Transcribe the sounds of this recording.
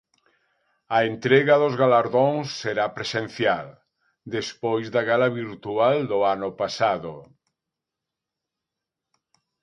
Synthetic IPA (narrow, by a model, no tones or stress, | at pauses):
ɐent̪ɾeɣɐðozɣalaɾðoŋsːeɾapɾesen̟θjal | d̪espojzðaɣalaβiɾt̪uald̪ʊanʊpasaðo